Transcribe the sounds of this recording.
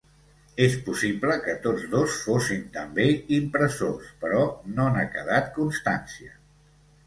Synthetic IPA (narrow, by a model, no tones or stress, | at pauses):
espusibləkət̪od͡zðosfosint̪əmbeimpɾəsospəɾɔnoənakəð̞at̪kunst̪a̰nsiə